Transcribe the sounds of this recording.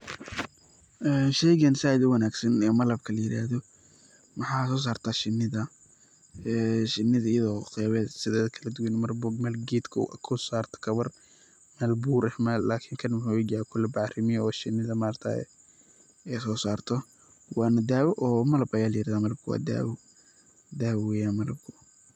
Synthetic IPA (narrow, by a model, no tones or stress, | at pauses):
ʔɛːnʃɛjɣɐnsaːɪd̪ʊwɐnaːɡsɐnɛːmɐlɐb̚kʰɐlɐjɪɾa̰ːhðɔ | mɐħɑːsɔːs̬aːrt̪ʰaːʃɪnːɪðɐ | ɛʃɪnːɪðɐɪjɐðɔːqɛːβɛːd̪sɪðɛːðɐkʰɐlɐd̪ʊwɛnmɐrbɔɡmɛːlɡiːd̪kʰʊ̰kʰʊsaːrt̪ʰɐ̥kʰɐβɐr | mɛːlbuːɾɛhmɛllaːkʰɪŋkʰɐnmħawɛd͡ʒaːɛkʰʊlɛbɑʕrɪmɪjɔːʃɪnːɪðɐmaːrt̪ʰa̰ɛ̰ | ɛsɔːsaːrt̪ʰɔ | wɑːnɐd̪aːwɔʔɔːmɐlɐbɐjaːlɐjɪɾaːðamɐlɐb̚kʰʊwa̰ːd̪a̰ːwʊ | d̪aːwɛwɛjaːnmɐlɐ̰b̚kʰʊ